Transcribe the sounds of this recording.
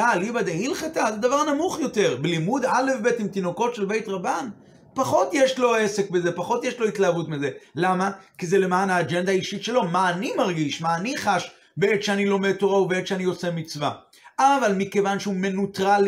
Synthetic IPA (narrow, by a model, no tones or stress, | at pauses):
alibad̪eɦilχatazed̪avaʁnamuχjo̞te̞ʁbelimud̪ale̞fbe̞timt̪ino̞ko̞tʃe̞lbe̞jtʁaban | paχo̞tjeʃlo̞ese̞kbe̞ze̞paχo̞t̪jeʃlo̞itlaavutmize̞lamakizele̞maːnaːd͡ʒend̪aːiʃitʃe̞lo̞maːnimaʁɡiʃmaːniχaʃ | beet̪ʃeanilo̞metːo̞ʁaubeet̪ʃeanio̞t͡se̞mit͡sva | avalmike̞vanʃeume̞nutʁal